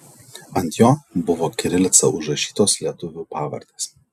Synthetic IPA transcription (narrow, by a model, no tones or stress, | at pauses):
ɐnʲt̪ʲjoːbʊʋoːkʲɪɾʲɪlʲt̪sɐʊʒɾɐʃʲiːt̪oːslʲiɛt̪ʊʋʲuːpɑːʋɐ̰ɾʲd̪ʲeːs